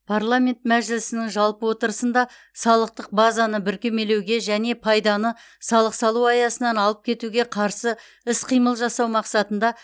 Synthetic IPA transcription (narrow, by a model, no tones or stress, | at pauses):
pʰaɾlˠamʲe̞nt̪mæʒɪlɪsɪnɪŋʒɑlˠpəwo̞t̪əɾəsənd̪ɑ | sɑlˠəq̚t̪əq̚bazɑnəbɪɾkʲeme̞lewɡʲe̞ʒæne̞pʰɑjd̪ɑnə | sɑlˠəqsɑlˠuɑjɑsənɑnɑlˠəp̚kʲʰe̞t̪uɡʲe̞qʰɑɾsə | ɪsqʰijməlˠʒɑsɑwmɑqsɑt̪ənd̪ɑ